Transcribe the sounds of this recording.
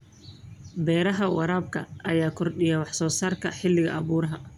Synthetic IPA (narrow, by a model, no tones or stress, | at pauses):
bɛːɾɐɦɐwɑɾaːb̚kʰɐʔɐjaːkʰɔrɗɪjɐwɑħsɔːsaːrkʰɐħɪlːɪɣɐ̰ʔɐβuːɾɐɦɐ